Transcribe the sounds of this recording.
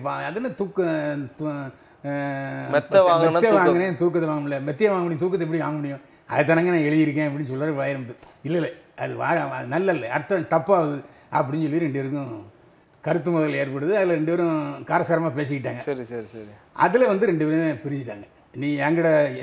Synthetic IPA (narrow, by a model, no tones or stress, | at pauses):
paɐðɯlːt̪uːkːt̪ | mɛt̪ːɐʋaːmɡɛt̪ːjɐʋaːŋɡɐnẽːt̪uːkːɐt̪ɐʋaːŋɡɐmɪlːɐmɛt̪ːɪjɐʋaːŋɐmɳɪj̃t̪uːk̬ːɐt̪ːɛpːɐɽiʋaːŋɡɐmɐɽɪjʊ̃ | ɐ̰ðɐt̪ːɐnɐŋɡɐnãːɛɻɪjɪɾɯk̬ːẽːɐp̬ɐɽɪnːɯs̬ɔlːaːʋɐɭɐjɾɐmt̪ːɯɪlːɐɪlːɐɐðɯʋa̰ːɾɐðɯnɐlːɐɪlːɐɐɾt̪ːɐt̪ɐpːaːʋɐðɯ | ɐp̬ːɐɽɪnɲsɔlːiɾɛɳɖɯʋɛɾɯk̬ːʊ̃ | kɐɾɯt̪̬ːɯmʊðɐleːɾpɐɽɯðɯɐðɪlɐɾɛɳɖɯʋɐɾʊ̃kaːɾɐsaːɾɐmaːpeːs̬ɯkːɪʈːaːŋɡɐɐɾsɐɾisɐ | ɐ̰ðɪlɐʋɐnd̪ɯɾɛɳɖɯpɛɾɯ̃epɪɾɪɲɪʈːa̰ːŋɡɐ | nĩːɐŋɡɐɽɐ